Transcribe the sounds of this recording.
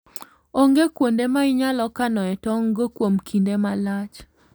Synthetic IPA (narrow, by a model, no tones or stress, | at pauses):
oŋɡekwondemaɪɲalɔkanɔɛtɔŋɡokwomkʰindemalat͡ʃ